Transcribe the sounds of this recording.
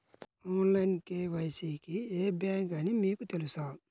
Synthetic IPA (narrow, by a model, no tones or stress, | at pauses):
oːnlɐjnkeːʋɐjsiːkieːbjaːŋkɐnimiːkut̪elusaː